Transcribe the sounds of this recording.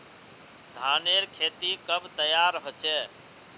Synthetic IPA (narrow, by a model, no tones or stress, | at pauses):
d̪ʱaːneɾkʰeːt̪ikəbt̪əjaːɾɦot͡ʃɛː